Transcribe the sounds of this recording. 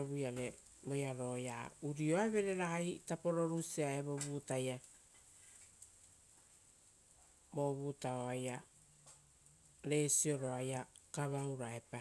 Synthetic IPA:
oβujaɾe | mojaɾojauɾioaeβe̞ɾe̞ɾajtapo̞ɾo̞ɾusiaeabobutaja | bo̞βutaoaja | ɾe̞sio̞ɾo̞ajakaβawɾaepa

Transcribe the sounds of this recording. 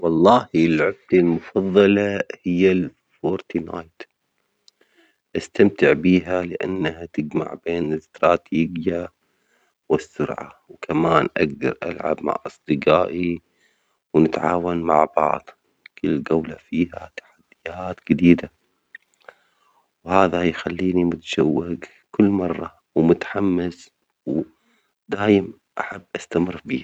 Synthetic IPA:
wɑlˤːɑːhilʕɪb̚t̪almʊfɑðˤːɑlɑhɪjːal | foːɾt̪ina̰ːjt̪ | ʔast̪amt̪ɪʕbiːɦalɪʔa̰nːahat̪ɪd͡ʒma̰ʕbeːnɪɪst̪ɾɑːt̪ʰiːɡja | wɪsːʊɾʕa̰wkʰamaːnʔaɡ̚d̪ɑ̰ɾˤʔa̰lʕa̰bma̰ʕʔɑsˤd̪ˤɨqaːʔi | wnɪt̪ʕaːwanma̰ʕbɑ̰ʕd̪ˤ | kɪlːɡawlafiːhat̪ḁħad̪̥ːɪjaːt̪d͡ʒɪd̪iːd̪a | whaːðajxalːiːnimʊt̪ḁʃawːɪɡ | kʊlːmɑrˤːɑ | wmʊt̪ħamːas | w | d̪aːjɪm | ʔaħabːʔast̪amɪrːbiː

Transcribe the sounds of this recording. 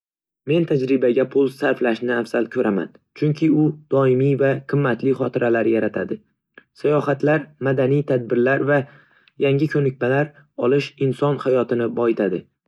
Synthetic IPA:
me̞nt̪ʰad͡ʒɾɪbaɡʲapʰʊlˠsaɾflaʃnɪafz̥alkʲʰɵɾʔama̰n | t͡ʃʰʊŋkʲʰɪʊd̪̥ɒɪmijvaqʰɨmːat̪ʰlɪχɒt̪ʰɪɾalaɾjaɾat̪ʰad̪ɪ | sajɒhat̪ʰlaɾmad̪anijt̪ʰad̪̚bɪɾlaɾva | jaŋɡʲɪkʲʰɵnɪkʲmalaɾ | ɒlˠɪʃɪnsɒnhajɒt̪ʰɪnɪbɒjɪt̪ʰad̪ɪ

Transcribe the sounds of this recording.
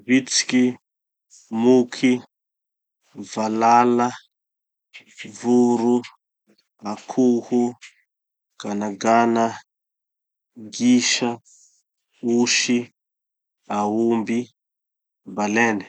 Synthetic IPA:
βit͡si̥ki | mukʰi | valala | vuɾu | akʰuhu | ɡ̥anaɡana | ɡiʃa | uʃi | aumbi | balɛni

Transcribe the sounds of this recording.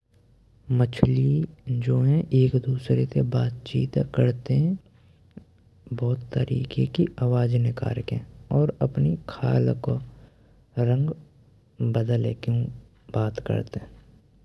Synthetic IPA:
mət͡ʃʰlid͡ʒoːɦɛ̃ʔeːkd̪uːsɾesebaːt̪t͡ʃiːt̪kəɾt̪eɦɛ̃ | bɔːt̪ːəɾḭːkekiaːwaːd͡ʒnɪka̰ːɾkeɔːɾəpnikʰa̰ːlko | ɾə̃ŋɡ | bəd̪əlekeũ | baːt̪kə̰ɾt̪eɦɛ̃

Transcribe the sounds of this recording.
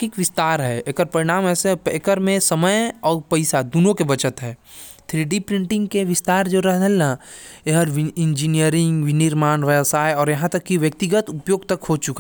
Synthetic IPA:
kikʋɪst̪aːɾɦɛekəɾpɐɾiɽ̃aːmɛːseeːkəɾmẽsɐməjɔːɾpɐɪsad̪unõkebɐt͡ʃət̪ɦɛː | t̪ʰɾiːɖipɾɪ̃ɳʈɪ̃ŋɡkeʋɪst̪aːɾd͡ʒoɾɛɦd̪əlnaeɦəɾʋɪ̃nd͡ʒinijəɾɪ̃ŋɡʋɪnɪɾmaːnʋəsaːjɔːɾjɐɦãt̪ɐkːiʋjək̚t̪ɪɡət̪ʊpjoːɡt̪ɐkɦot͡ʃʊka

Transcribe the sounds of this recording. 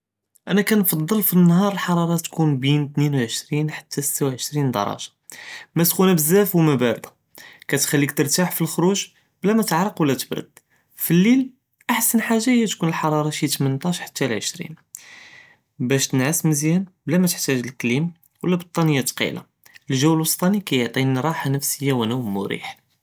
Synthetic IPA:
ʔænækænfɑd̪ˤːəlfinːhɑɾˤəlħɑɾˤɑɾˤɑt̪kunbint̪ninwʕəʃɾinħḁt̪ːæsə̥t̪ːawʕəʃɾind̪ɑ̰ɾˤɑ̰ʒɑ̥ | mæt̪kunæbəzːæfwmæbæɾd̪ɑ | kæt̪xælːikt̪əɾt̪aħfilxɾuʒ | blæmæt̪əʕɾˤəqwəlːæt̪ə̥bɾə̰d̪̥̚ | filːil | ʔaħsənħaʒːahəjːæt̪kunəlħɑɾˤɑɾˤɑʃit̪mənt̪ˤɑʃħḁt̪ːælʕəʃɾḭn | bæʃt̪ənʕəsməzjænblæmæt̪əħt̪æʒəlklim | wlːæbət̪ˤːɑnəjːat̪qḭla̰ | əlʒæwəlwəst̪ˤɑnikæjəʕt̪ˤiɾˤɑħanəfsəjːawænæwmʊɾḭħ

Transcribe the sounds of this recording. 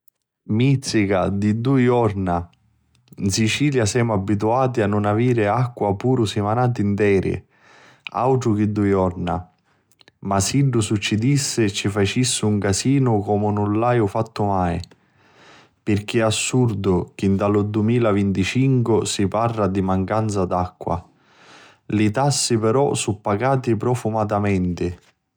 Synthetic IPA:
mit̪sːikad̪id̪ujɔɾna | nsit͡ʃiːljasɛːmʊabːit̪̬uaːt̪ianːʊnaviːɾɪakːwapuːɾʊsɪmanaːt̪̬int̪ɛːɾʔɪ̰ | a̰wʈ̪ɾʊk̟ɪd̪ːujɔrna | masiɖʊsut͡ʃːid̪isːɪt͡ʃːifat͡ʃisːɪuŋkasiːnʊkɔmʊnʊnlajʊfat̪ːʊmaj | pɪrk̟iasːurd̪ʊk̟ɪnt̪alʊd̪umiːlavint̪it͡ʃiŋkʊsiparːad̪imaŋkant̪sad̪akːwa̰ | lit̪asːɪpɛɾɔ̰supːaɡaːt̪ipɾɔfumat̪amɛnt̪ɪ

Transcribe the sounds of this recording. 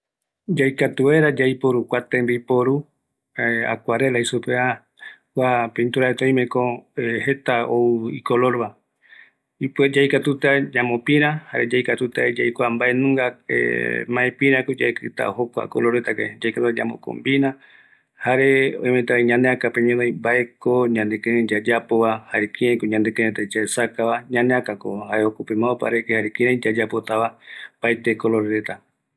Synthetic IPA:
d͡ʒajkat̪ueɾad͡ʒajpoɾukʷat̪embejpoɾu | ea̰kʷaɾelaisupea | kʷapẽnt̪uɾaet̪õj̃mẽkõehet̪aoḭkoloɾβa | ipd͡ʒajkat̪ut̪ad͡ʒamõpĩɾ̃ãhaɾed͡ʒaijkat̪ut̪ad͡ʒajkʷambaenũŋɡaḛmãẽpĩɾ̃ãkod͡ʒa̰ekɨt̪a̰hokʷa̰kolo̞ɾet̪akḛd͡ʒajkat̪ut̪ad͡ʒa̰mõ̰ko̰mbiɾã | haɾe̞ojmet̪aaɲãneakapeɲõnajmbae̞koɲãnd̪ekẽɾãjd͡ʒad͡ʒapoβahaɾekĩɾãj̃koɲãnd̪ekeɾẽt̪at͡ʃaesakaβaɲãneakako̰haɾeokupemãopa̰ɾekehaɾekĩɾãjd͡ʒad͡ʒapo̞t̪aβapajt̪ekoloɾeɾet̪a

